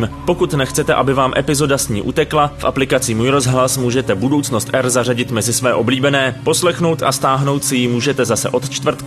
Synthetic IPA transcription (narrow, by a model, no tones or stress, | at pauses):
mpo̞kut̪nɛxt͡sɛt̪ɛʔabɪvaːmʔɛpɪzo̞dasɲḭːʔut̪ɛklafʔa̰plɪkat͡simuːjɾozɦlasmuːʒɛt̪ɛbudo̞wt͡sno̞st̪ʔɛɾzar̝aɟɪt̪mɛzɪsvɛːʔo̞bliːbɛnɛːpo̞slɛxno̞wt̪ʔa̰st̪aːɦno̞wt̪sɪjɪmuːʒɛt̪ɛzasɛ̰ʔo̞t̪t͡ʃt̪vr̩t̪